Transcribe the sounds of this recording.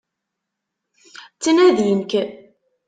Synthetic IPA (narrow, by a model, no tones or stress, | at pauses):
t͡sːənæðjənk